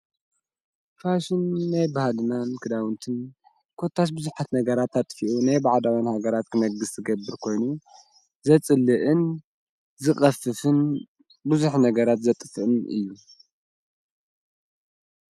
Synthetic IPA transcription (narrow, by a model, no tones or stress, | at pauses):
faʃɪnːajbahalɨnankʰɨd̪awɨnt̪ʰɨn | kʰot̪ʰːat̪̬bɨzuħat̪nɐɡɐɾat̪ːat̪ʼfiʔunajbaʕd̪awinhaɡɐɾat̪̚kʰɨmɐɡɨst̪ʰɨɡɐbːɨɾkʰo̞jnu | zɐt͡sʼɨlːɨʔɨn | zɨxʼɐfɨfɨn | bɨzuħnɐɡɐɾat̪zɐt̪ʼɨfɨʔɨnɨ̰jːu